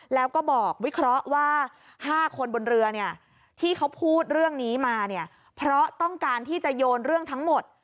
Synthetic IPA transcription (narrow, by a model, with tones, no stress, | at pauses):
lɛː˦˥wkɔː˥˩bɔː˨˩k̚wi˦˥kʰɾɔ˦˥ʔwaː˥˩ | haː˥˩kʰo˧nbo˧nɾɯ˧ɐni˥˩ɐ | t̪ʰiː˥˩kʰa˦˥wpʰuː˥˩t̪̚ɾɯ˥˩əŋniː˦˥maː˧ni˥˩ɐ | pʰɾɔ˦˥t̪ɔ˥˩ŋkaː˧nt̪ʰiː˥˩t͡ɕa˨˩joː˧nɾɯ˥˩əŋt̪ʰa˦˥ŋmo˨˩t̪̚